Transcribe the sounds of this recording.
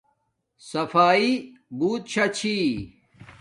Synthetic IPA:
sɐfaːibuːt̪̚t͡ɕʰɐt͡ɕʰi

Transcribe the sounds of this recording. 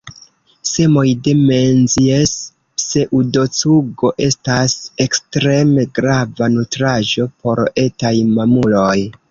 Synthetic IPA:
se̞mo̞jde̞ment͡siesː | e̞ʔudo̞t͡suɡo̞ʔe̞stase̞kstɾe̞me̞ɡɾavanutɾaʒo̞po̞ɾe̞tajmamulo̞j

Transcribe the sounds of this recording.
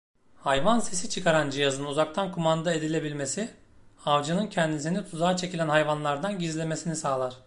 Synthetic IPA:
hajvanse̞sit͡ʃʰɯkʰaɾand͡ʒijazɯnuzak̚t̪ʰankʰumand̪ae̞d̪ilʲe̞bilʲme̞si | avd͡ʒanɯncʰɛnd̪is̬init̪ʰuzaːt͡ʃʰe̞cilʲænɦajvanlˠaɾd̪anɟizlʲe̞me̞sinisaːlˠaɾ̥

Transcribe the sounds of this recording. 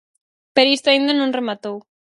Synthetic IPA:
peɾoist̪oaĩnd̪anõŋremat̪ow

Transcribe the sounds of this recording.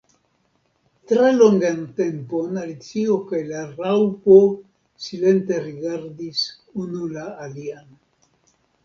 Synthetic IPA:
tɾeloŋɡante̞mpo̞nalit͡siokajlarawpo̞ | sile̞nte̞ɾiɡaɾdis | unulaːliano

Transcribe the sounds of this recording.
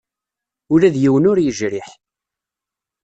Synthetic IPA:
ʊɾæðjiwənʊɾjəʒɾɪħ

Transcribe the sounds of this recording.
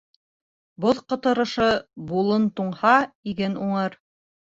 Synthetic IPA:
boðqŏt̪ɤ̆ɾɤ̆ʃɤbulˠɤnt̪uɴhɑiɡɘnuɴɤɾ

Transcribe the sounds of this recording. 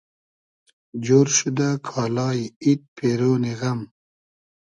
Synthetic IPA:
d͡ʑoːɾɕud̪akʰɑːlɑːiit̪̚pʰeɾoːniɣɐm

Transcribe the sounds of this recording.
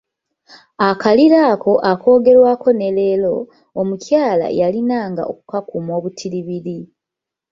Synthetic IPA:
akaliɾaːkʰo̞ʔako̞ːɡe̞ɾwaːko̞ne̞le̞lo̞ | omucjaːla̰jalinaːŋɡa̰o̰ku̥kakumo̞ːβutʰiliβiɾi

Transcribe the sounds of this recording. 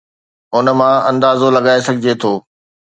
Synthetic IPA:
ʊnə̆mãɐ̃nd̪aːzolɐɠaːesɐɡʱɪd͡ʑet̪ʰoː

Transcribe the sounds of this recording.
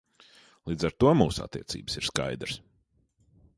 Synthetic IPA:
lˠiːd̪zaɾt̪uɔmuːsʊa̰t̪ːḭɛt̪sḭːbə̥siɾska̰jd̪ɾɨs

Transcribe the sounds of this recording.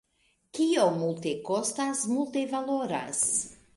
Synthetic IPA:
kijomulˠt̪ekɔst̪asmulˠt̪evalˠoɾa̰s

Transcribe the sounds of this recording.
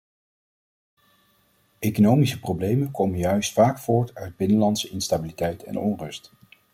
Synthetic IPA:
ʔejkonowmisəprowblejmənkowmənjœɥstfaːkfʊːɹtœɥd̚bɪnəlɑntsəɪnstabilitɛjtɛ̰nɔnrɵst

